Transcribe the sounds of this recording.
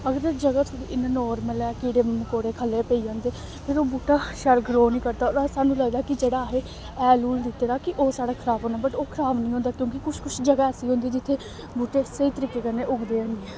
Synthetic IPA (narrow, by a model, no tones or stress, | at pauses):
əɡəɾd͡ʒəɡaːt̪ʰoɽiːʔɪnãnɔːɾməlɛːkɪɽeːməkoːɽeːkʰəlːeːpəiːd͡ʒãːnd̪eː | pʰɪɾoːbuːʈaːʃɛːlɡɾoːnĩːkəɾd̪aːoːɾasaːnũːləɡd̪aːkɪd͡ʒeːɽaːɦeː | ɛːluːld̪ɪt̪ːeːɾaːkɪʔoːsaːɽaːkʰəɾaːbɦõːnaːbəʈoːkʰəɾaːbnĩːɦõːnd̪aːkjõːkikʊt͡ʃkʊt͡ʃʰd͡ʒəɡaːɛːsiːɦõnd̪iːd͡ʒɪt̪ʰːeː | buːʈeːsəiːt̪əɾiːkːeːkənːeːʔʊɡd̪eːə̃ːnd̪iɛː